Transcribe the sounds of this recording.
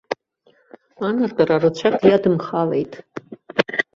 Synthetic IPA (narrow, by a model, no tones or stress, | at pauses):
anartʼararɨt͡ɕʷʰakʼjadɨmχalejtʼ